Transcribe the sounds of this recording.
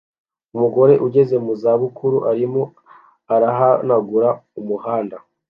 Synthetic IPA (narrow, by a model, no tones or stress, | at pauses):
umuɡo̞ɾe̞ʔuɟe̞ze̞muzaβukʰuɾuʔaɾimo̞ | aɾaɦanaɡuɾaumuhaːnda